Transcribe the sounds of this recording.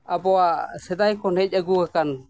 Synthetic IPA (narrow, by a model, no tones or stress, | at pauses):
abɔasɛd̪ajkɔnɛc̚ˀəɡukakan